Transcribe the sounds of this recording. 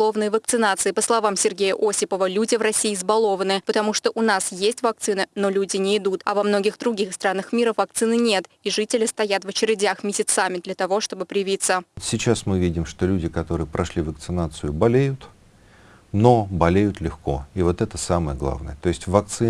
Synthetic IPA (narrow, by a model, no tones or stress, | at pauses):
lˠo̞vnəjəvək̚t̪sɨnat̪sɨɪpəslˠɐvamsʲɪrɡʲejəʔo̞sʲɪpəvəlʲudʲɪvrɐsʲiːzbɐlˠo̞vənɨpət̪ɐmuʂt̪oʔʊnasjesʲtʲvɐk̚t̪sɨnɨno̞lʲudʲɪnʲɪɪd̪ut̪ɐvɐmno̞ɡʲɪxd̪ɾʊɡʲixst̪ɾanːəxmʲiɾəvɐkt̪sɨnɨnʲe̞t̪ | iʐɨtʲɪlʲɪst̪ɐjat̪vət͡ɕɪɾʲɪdʲaxmʲɪsʲɪt̪samʲɪd̪lʲɐt̪ɐvo̞ʂt̪o̞bɨpɾʲɪjɪvʲit̪sət̪sʲɪt͡ɕasmɨvʲidʲɪmʂt̪o̞lʲudʲɪkɐt̪o̞ɾɨjəpɾʔɐʂlʲivək̚t̪sɨnat̪sɨjʊbɐlʲejʊt̪ | no̞bɐlʲejʊt̪lʲɪxko̞ivo̞t̪ɛt̪əsaməjəɡlˠa̰vnə̰jət̪o̞ɪsʲtʲvɐk̚t̪sɨ